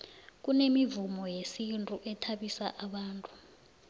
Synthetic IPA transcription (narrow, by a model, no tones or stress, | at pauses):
k̬unemivumɔjesintʼuʔɛtʰaɓisaʔaɓaːntʼu̥